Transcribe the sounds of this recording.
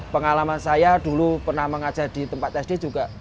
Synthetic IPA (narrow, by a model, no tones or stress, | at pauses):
pəŋalamansajad̥ulupərnahməŋad̥ʒ̥a̤ʔd̪̥i̤t̪əmpat̪̚ɛsd̥ed͡ʒuɡ̥aʔ